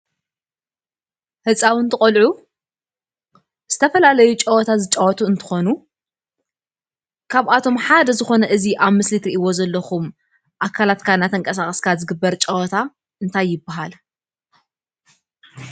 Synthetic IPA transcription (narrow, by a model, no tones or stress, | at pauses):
hɨt͡sʼawɨnt̪ʰɨχʼolʕu | z̥ɨt̪ʰɐfɐlalɐjut͡ʃʼɐwɔt̪ʰazɨt͡ʃʼɐwɔt̪ʰuɨnt̪ʰɨ̥xo̞nu | kʰaβʔat̪ʰo̞mħad̪ɐzɨxo̞nɐʔɨziʔaβmɨslit̪ɾiʔiwo̞zɐlːɐxum | ʔakʰːalat̪kʰanːat̪ʰɐŋkʼɐsaχʼɐskʰazɨɡɨbːɐɾt͡ʃʼɐwɔt̪ʰa | ɨnt̪ʰajːɪbːaɦal